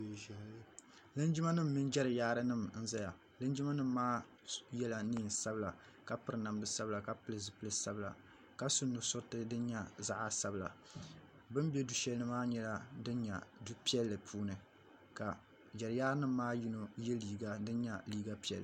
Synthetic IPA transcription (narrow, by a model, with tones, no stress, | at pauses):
lɨ˦nd͡ʒɪ˦ma˦nɨ˦m̩ː˦i˦nd͡ʒɛ˦ɾɨ˨jaː˦ɾɨ˦nɨ˦mn̩˦za˦ja˨ | lɨ˦nd͡ʒi˦ma˦nɨ˦mː˦aː˦ | jɛ˦la˨niː˦˨n˨sa˦bɨ˦la˨ | ka˦pɨ˨ɾɨ˨na˨mdɨ˦sa˦bla˨ka˦pɨ˦lɨ˨zɨ˨pɨ˦lɨ˦sa˦bla̰˨ | ka˦sʊ˦nːʊ˨sʊ˦tɨ˦dɨ˦nɲa˦za˦ʔa˦sa˦bɨ˨la̰˨ | bɨ˦mbɛ˦du˨ʃɛ˦lnɨ˦maː˦ɲɛ˦la˦dɨ˦nɲa˨du˦pi˦ɛ˦lːɨ˨pʰuː˦nɨ˨ | ka˨ | d͡ʒɛ˨ɾɨ˨jaː˦ɾɨ˦nɨ˦mː˦aː˦ji˦no˨jɛ˦liː˨ɡa˦dɨ˦n˦ɲa˦liː˦ɡa˦pi˦ɛ̰˨lːɨ˨